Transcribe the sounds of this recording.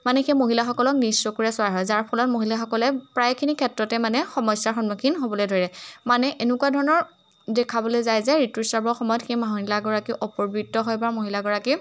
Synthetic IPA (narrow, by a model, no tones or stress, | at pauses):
manɛxejmoɦilaxɔkɔlɔk̚nisɔkuɹɛsʊwaɦɔjzaɹpʰɔlɔt̚moɦilaxɔkɔlɛpɹajkʰinikʰɛtɹɔtɛmanɛxɔmɔjsaɹxɔnmukʰinɦobɔlojdʱoɹiɛmanɛʔenʊkuwadʱɔɹɔnɔɹ | dɛkʰabɔlojzajzɛɹitisaɹbɔɹxɔmɔjɔtxejmaɦɔilaɡɔɹakiʔɔpɔɹbitːɔɦɔjbaɹmoɦilaɡɔɹaki